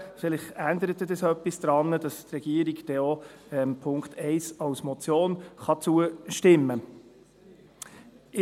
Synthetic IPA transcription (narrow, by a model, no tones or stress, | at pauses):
fɪlɪχænd̪əɾət̪ːəd̥ɛsœpːisd̪̥ɾɑnːəd̥ɑstrɛɡ̥iəɾiɡd̥ɛo | ɛmpʰʊŋkχtɛɪsɑwsmɔt͡sjoːnχɑt͡suəʃtɪmːə | ɪ